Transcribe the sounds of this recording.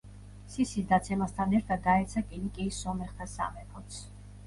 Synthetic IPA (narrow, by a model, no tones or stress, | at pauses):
sisisd̪at̪sʰɛmast̪ʰanɛɾt̪ʰad̪aɛt̪sʰakʼinikʼiːsɔmɛχt̪ʰasa̰mɛpʰɔt̪sʰ